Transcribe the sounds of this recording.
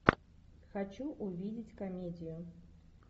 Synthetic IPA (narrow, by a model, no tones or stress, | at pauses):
xat͡ʃuʔuvʲid͡zʲit͡sʲkamʲɛd͡zʲiju